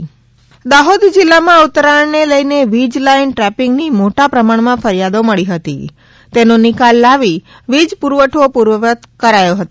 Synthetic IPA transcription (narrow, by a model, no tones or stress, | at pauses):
d̪aɦod̪d͡ʒɪlːamãut̪ːɾaɳneləjneʋid͡ʒlainʈɾɛpɪŋɡnimoʈapɾəmaɳmãfəɾjad̪oməɭiɦət̪ḭ | t̪enõnɪkalːaʋi | ʋid͡ʒpuɾʋəʈʰopuɾʋəʋət̪kəɾajoɦət̪o